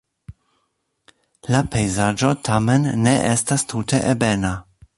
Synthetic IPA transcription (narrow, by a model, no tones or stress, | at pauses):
lapʰe̞jzad͡ʒo̞tʰame̞nːe̞ʔestastʰute̞ʔebena